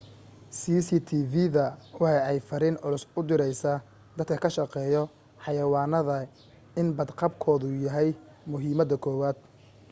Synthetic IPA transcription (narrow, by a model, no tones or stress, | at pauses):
siːsit̪ʰiːviðɐwɑħɛɛjfɐɾɪnʊlʊsʊd̪ɪɾɛjsaː | d̪ɐd̪kʰɐkʰɐʃɑqɛːjɔ | ħɑjɐwɑːnɐðɐ | ɪnbɐd̪qɑbkʰɔːðʊjɐɦɛj | mʊɦiːmɐd̪ɐkʰɔːwaːd̪̥̚